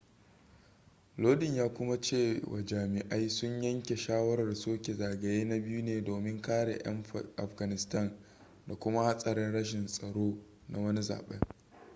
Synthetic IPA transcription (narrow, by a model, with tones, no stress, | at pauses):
loː˦dɪ˨ɲjaː˦kʷʊ˦ma˦t͡ʃeː˦˨wʔa̰˨d͡ʒaː˨mɪ˨ʔa˦jsʊ˦ɲjɐ˦ŋkʲe˨ʃaː˦wɐ˦ɾɐ˨rsoː˦kʲe˨zaː˨ɡɐ˨jeː˦na˦bɪ˦ju˦neː˨doː˨mɪ˦ŋkaː˦ɽḛ˨ʔɐ̰˦mʔa˨fɡa˨nɪ˨stɐ˦˨n | da˨kʷʊ˦ma˦ha˦sʼɐ˨ɾɪ˦nɽɐ˦ʃ̬ɪ˨nsʼɐ˨ɽoː˦ | na˦wɐ˦ni˦za̰ː˨ɓḛ˦ŋ